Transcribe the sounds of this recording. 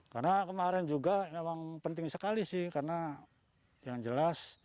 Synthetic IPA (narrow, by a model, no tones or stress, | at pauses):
ka̰rnakəmaɾɛnd͡ʒuɡamemaŋpənt̪ɪŋsəkalisɪhkarəna | jaŋd͡ʒəlas